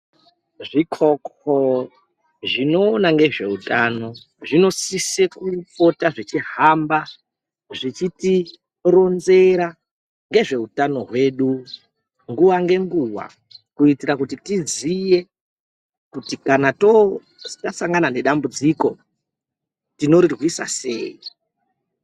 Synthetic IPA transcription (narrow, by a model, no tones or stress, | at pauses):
ʐikʰoko | ʐino̞ːnaŋɡe̞ʐe̞utaːno̞ | ʐino̞sisekup͡fo̞taʐit͡ʃiɦamba | ʐit͡ʃiti | ro̞nze̞ɾa | ŋɡe̞ʐe̞utano̞ɦwe̞ːɗu | ŋɡuʋaŋɡe̞ŋɡuʋa̰ | kuitiɾakutitid͡zije̞ | kutikanato | tasaŋɡanane̞ɗambud͡ziko̞ | tino̞rirɣwisa̰se̞̰ːi